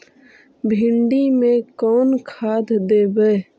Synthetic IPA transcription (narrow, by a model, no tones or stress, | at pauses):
bʱɪɳɖimẽkɔːnkʰaːd̪d̪eːbɛː